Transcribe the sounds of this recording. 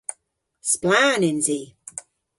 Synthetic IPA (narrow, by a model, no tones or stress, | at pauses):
splaːnɪ̃nzi